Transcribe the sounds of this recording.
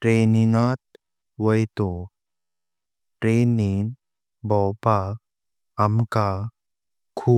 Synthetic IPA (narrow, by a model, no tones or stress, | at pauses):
ʈɾeninat̪̚ | ʋəjt̪o | ʈɾenin | bɔwpaː | mka | kʰu